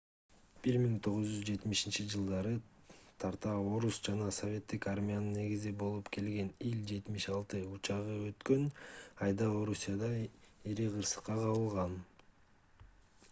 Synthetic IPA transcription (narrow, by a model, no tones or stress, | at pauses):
b̥iɾmiŋt̪ʰo̞ʁuzd͡ʒyzd͡ʒe̞t̪miʃint͡ʃid͡ʒɯlˠd̪ɑɾɯt̪ʰɑɾt̪ɑo̞ɾusd͡ʒɑnɑso̞vʲe̞t̪ːikaɾmʲijanɯnːe̞ɡizibo̞lˠupkʰe̞lɡe̞nilʲd͡ʒe̞t̪miʃɑlˠt̪ɯut͡ʃɑʁɯø̞t̪kø̞nɑjd̪ɑo̞ɾusʲːijad̪ɑiɾiqʰɯɾsɯ̥qːɑqʰɑβɯlˠʁɑn